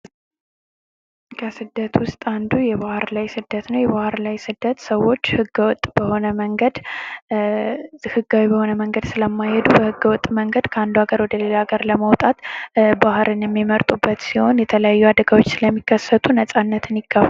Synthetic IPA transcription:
kʰəsɨd̪ːət̪wʊst̪ʼand̪ujɛβahɾlajsɨd̪ːət̪nəwjɛβahɨɾlajsɨd̪ːət̪səwːo̞t͡ʃːhɨɡwɔt̪ʼːbəho̞nəməŋɡəd̪ | hɨɡːawibəho̞nəməŋɡəd̪sɨləmːajhɛd̪ubəhɨɡːəwɔt̪ʼːməŋɡəd̪kʰəand̪uaɡəɾwɔd̪əlelaɡəɾləməwt̪ʼat̪bahɾʔɨnjɛmːiməɾt̪ʼubːət̪siho̞njɛt̪ʰələjajːuad̪əɡawo̞t͡ʃːsɨləmːikʰːəsːət̪ʰʼunəsʼanːət̪ʰɨniɡːaf

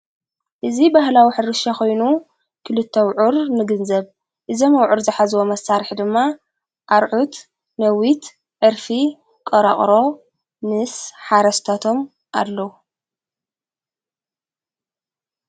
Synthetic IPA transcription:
ʔɨzibahlawiħɨɾɨʃakʰo̞jnu | kʰɨlɨt̪ʰːɐwʕuɾnɨɡɨnzɐβ | ʔɨzɐmɐwʕuɾzɨħazwomɐsːaɾħd̪ɨmːa | ʔaɾʕut̪ | nɐwit̪ | ʕɨɾfi | kʼɐɾɐχʼɾo̞ | mɨsħaɾɐst̪ʰat̪ʰo̞m | ʔa̰lːɐwu

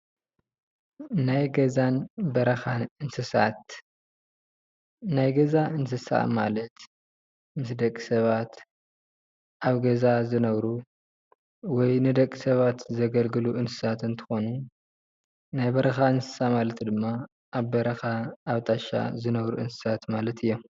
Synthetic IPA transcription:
najɡɐzanbɐɾɐxaɨnsɨsa̰t̪ | najɡɐzaʔɨns̬ɨsa̰ma̰lɐt̪ | mɨsd̪ɐkʼːi̥sɐβat̪ | ʔaβɡɐzazɨnɐβɾu | wɔjnɨd̪ɐkʼːisɐβat̪zɐɡɐlɡɨluʔɨnsɨ̥sat̪ɨnt̪ʰɨ̥xo̞nu | najbɐɾɐxaɨnsɨ̥samalɐt̪ʰid̪ɨmːa | ʔːβbɐɾɐxaːβt̪ʼaʃa̰zɨnɐβɾuʔɨnsɨ̥sat̪malɐt̪ʰɨjːo

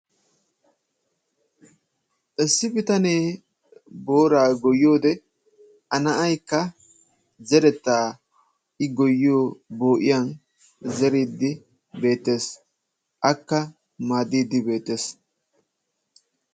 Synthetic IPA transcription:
ʔɛsːɪbɪt̪ɐneː | bo̞ːɾaːɡɔjːo̞ːd̪ɛ | ʔɐnɐʔɐjkːɐ | zɛɾɛt̪ːaː | ɪɡɔjːo̞ːbo̞ːʔɪjɐn | zɛɾiːd̪ːɪ | be̞ːt̪ːe̞ːs | ʔɐkːɐ | maːd̪iːd̪ːɪbe̞ːt̪ːe̞s

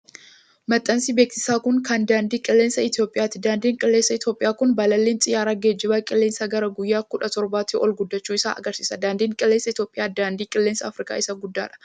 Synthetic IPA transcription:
mɐt̪ʼːɐnsibeːksɪ̥saːkʊŋkɐnd̪aːnd̪iːkʼɪlːeːnsɐɪt̪jo̞ːpʼɪjaːt̪ɪd̪aːnd̪iːŋkʼɪlːeːnsːɐɪt̪jo̞ːpʼɪjaːkʊnbɐlɐlːeːnt͡sʼɪjaːɾɐɡeːd͡ʒːɪbaːkʼɪlːeːnsɐɡɐɾɐɡʊjːaːkʊᶑɐt̪ɔɾbaːt̪ːɪɔlɡʊd̪ːɐt͡ʃːuːɪsa̰ːʔɐ̰ɡɐɾsiːsɐd̪aːnd̪iːŋkʼɪlːensːɐɪt̪joːpʼɪjaːd̪aːnd̪iːkʼɪlːeːnsɐːfɾɪkʼa̰ːɪsɐɡʊd̪ːa̰ːᶑɐ̥

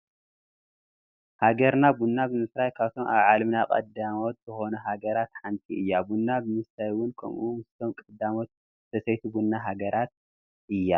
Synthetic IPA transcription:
haɡɐɾnabunːabɨmɨsɾajkʰaβt̪ʰo̞ma̰βʕalmnakʼɐ̰d̪amo̞t̪z̥ɨxo̞nɐɦaɡɐɾat̪ħant̪ʼiʔɨjːabunːabɨmɨsɾajwʊnkʰɐ̰mʔumɨst̪ʰomkʼɐd̪ːamo̞t̪̚ | ɨt̪ʰɐsɐjt̪ʰubunːaɦaɡɐɾat̪̚ | ɨjːa

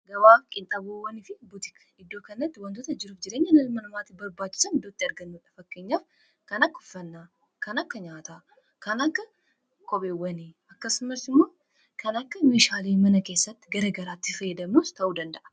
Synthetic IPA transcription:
ɡɐβaːfkʼɪnt̪ʼɐboːwːɐnɪfɪbʊt̪ɪk | ɪd̪ːoːkɐnːɐt̪ːɪwɐnt̪oːt̪ɐd͡ʒɪɾuːfd͡ʒɪɾe̞ːɲːɐnɐlmɐnɐmaːt̪ɪbɐɾbaːt͡ʃːɪ̥sɐnɪd̪ot̪ːiɐɾɡɐnːuᶑɐfɐkːe̞ːɲːaːf | kɐnɐkːʊfːɐnːa | kɐnɐkːɐɲaːt̪a | kɐnɐkːɐ | kʰʼɔbeːwːɐne | ɐkːɐsʊmɐɾsɪmːo̞ː | kʰɐnɐkːɐme̞ːʃaːleːmɐnɐke̞ːsːɐt̪ːɪ̥ɡɐɾɐɡɐɾaːt̪ːɪfɐjːɛd̪ɐmːost̪ʰɐʔuːd̪ɐnd̪ɐʔɐ̥

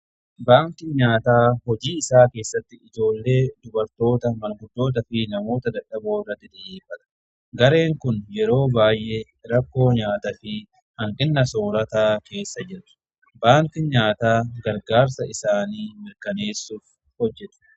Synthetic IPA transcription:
baːŋkɪɲaːt̪aːhɔd͡ʒiːɪsaːke̞ːsːɐt̪ːɪɪd͡ʒo̞ːlːe̞ːd̪ʊbɐɾt̪o̞ːt̪ɐmɐlɡʊd̪ːo̞ːt̪̬ɐfɪnɐmo̞ːt̪ɐd̪ɐᶑɐboːrːɐt̪ːɪd̪ɐːʔeːfːɐt̪ɐ̥ | ɡɐɾe̞ːŋkʊnjɛɾo̞ːbaːjʔeː | ɾɐkːo̞ːɲaːt̪ɐfɪ | hɐŋkʼɪnːɐso̞ːɾɐt̪aːke̞ːsːɐd͡ʒɪɾɐ̥ | baːŋkɪɲaːt̪aːɡɐɾɡaːɾsɐɪsaːniːmɪɾkɐne̞ːsːuːf | hɔd͡ʒːɛt̪ʊ̥

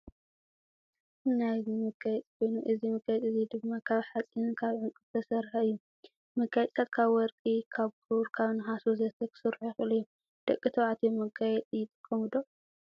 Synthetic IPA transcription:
namɨɡajɛt͡sʼikʰo̞jnuʔɨzimɨɡajɛt̪ʼɨzid̪ɨmːakʰaβħat͡sʼinkʰaβʕɨŋkʼɨβt̪ʰɐsɐɾħɨjːu | mɨɡajɛt͡sʼt̪ʰat̪̚kʰaβwɔɾkʼikʰaβkʰuɾkʰaβnɨɦasuzɐt̪ʰɐkʰɨ̥sɨɾħujɪxɨlɨjːo | d̪̥ɐkʼːit̪ʰɐʕat̪ʰimɨɡajɛt͡s̪ʼjɪt̪ʼɨkʼːɐmɨd̪o

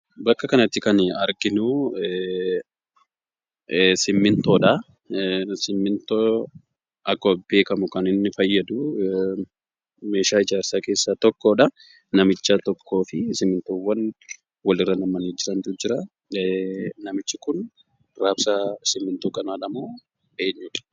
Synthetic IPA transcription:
bɐkːɐkɐnɐt̪ːɪkɐnɐɾɡɪnuː | sɪmːɪnt̪oːᶑɐ | sɪmːɪnt̪o | ʔɐkːɐbe̞ːkɐmʊkɐnɪnːɪfɐjːɐd̪u | me̞ːʃaːɪd͡ʒaːɾsaːke̞ːsːat̪ɔkːo̞ːᶑɐ | nɐmɪt͡ʃːat̪ɔkːo̞ːfɪsɪmːɪnt̪oːwːɐn | wɐlɪrːɐnɐmɐniːd͡ʒɪɾɐnd̪ʊd͡ʒɪɾa | nɐmɪt͡ʃːɪkʊn | raːbsasɪmːɪnt̪uːkʼɐnaːᶑɐmoː | ʔe̞ːɲːuːᶑɐ̥

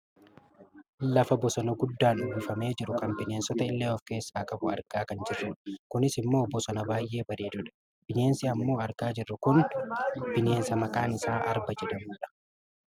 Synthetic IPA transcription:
lɐfɐbɔsɔnɐɡʊd̪ːaːnʊbfɐme̞ːd͡ʒɪɾʊkɐnbɪne̞ːnsɔt̪ɐɪlːeːɔfke̞ːsːaːkʼɐbʊɐɾɡaːkɐnd͡ʒɪrːɛnkʊnɪsɪmːo̞ːbɔsɐnɐbaːjʔe̞ːbɐɾiːd̪ʊᶑɐ̥ | b̥ɪne̞ːnsɪɐmːo̞ːɐɾɡaːd͡ʒɪrːʊkʊn | b̥ɪne̞ːnsɐmɐkʼaːnɪsaːʔɐ̰ɾbɐd͡ʒɛᶑ̪ɐmuːᶑɐ̥

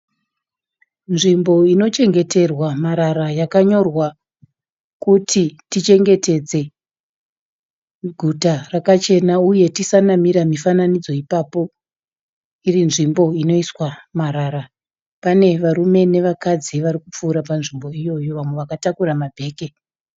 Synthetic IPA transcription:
nʐimbo̞ino̞t͡ʃe̞ŋɡe̞te̞rwamaɾaɾajakaɲo̞rwa | kutʰitit͡ʃe̞ŋɡe̞te̞d͡ze̞ | ɡʱutarakat͡ʃe̞nauje̞tisanamiɾamifananid͡zo̞ipapo̞ | irinʐimbo̞ino̞iswamaɾaɾa | pane̞ʋaɾume̞ne̞ʋakad͡ziʋaɾikup͡fuːɾapanʐimbo̞ijo̞jo̞ʋamwe̞ʋakatakuɾamabʱe̞ːke̞

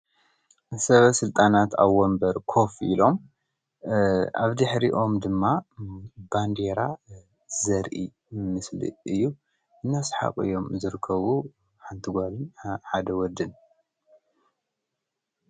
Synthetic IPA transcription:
sɐβɐsɨlt̪ʼanat̪ʰa̰βwɔmbɐɾkʰo̞filo̞m | ʔa̰βd̪ɨħɾiʔo̞md̪ɨmːa | band̪eɾa | zɐɾʔi | mɨslḭɨjːu | ʔɨnːasɨ̥ħa̰kʼɨ̰jːo̞mzɨɾɨkʰːɐβu | ħant̪ʰɨɡʷalɨnħad̪ɐwɔd̪ɨn

